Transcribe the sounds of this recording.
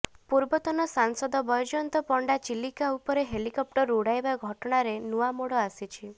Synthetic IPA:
puɾbɔt̪ɔnɔsansɔd̪ɔbɔjɔd͡ʒɔnt̪ɔpɔɳɖat͡ʃilikaupɔɾeɦelikɔp̚ʈɔɾuɽajbaɡʱɔʈɔɽ̃aɾenuamoɽɔasit͡ʃʰi

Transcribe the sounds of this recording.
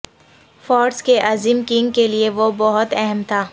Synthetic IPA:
fɔːɖskeʔaːziːmkɪ̃ŋɡkelieʋobɔɦʊt̪ɛɦɛmt̪ʰaː

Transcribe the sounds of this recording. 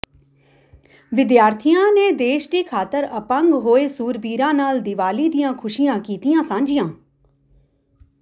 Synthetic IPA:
ʋɪd̪jaːɾt̪ʰijãːneːd̪eːʃʈiːkʰaːt̪əɾəpə̃ŋɡɦoːeːsuːɾbiːɾãːnaːld̪ɪʋaːliːd̪ɪjãːkʰʊʃijãːkiːt̪ijãːsãːɲd͡ʒijãː

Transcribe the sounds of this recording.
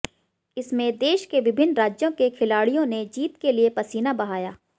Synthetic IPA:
ɪsmẽd̪eːʃkeʋɪbʱɪnːɾaːd͡ʒjõkekʰɪlaːɽijõned͡ʒiːt̪keliepɐsiːnabɐɦaːjaː

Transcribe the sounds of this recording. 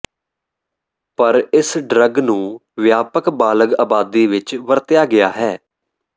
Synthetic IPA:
pəɾɪsɖɾəɡnũːʋjaːpəkbaːləɡaːbaːd̪iːʋɪt͡ʃʋəɾt̪ɪjaːɡɪjaːɦɛː

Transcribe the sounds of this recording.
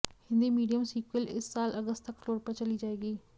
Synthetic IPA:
hɪ̃nd̪iːmiːɖijəmsiːkwəlɪ̰sːaːlʔəɡəst̪əkːloːɾpəɾt͡ʃəliːd͡ʒaːeːɡiː

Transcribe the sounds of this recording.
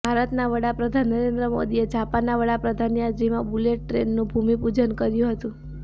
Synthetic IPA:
bʱaɾət̪naʋəɽapɾəd̪ʱanəɾend̪ɾəmo̰d̪ied͡ʒapanaʋəɽapɾəd̪ʱanijad͡ʒimãbuleʈ̚ːɾḛnːũbʱumipud͡ʒənkəɾjũɦət̪ũ

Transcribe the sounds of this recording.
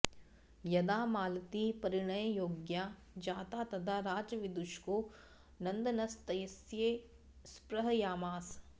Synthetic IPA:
jɐd̪aːmaːlt̪ipɐɾiɳɐjjoːɡjaː | d͡ʒaːt̪aːt̪ɐt̪ʰaːɾaːd͡ʒɐʋid̪uʃkoː | nɐ̃nd̪ɐnɐst̪ɐjɐsjeː | spɾɐɦɐjaːmaːs

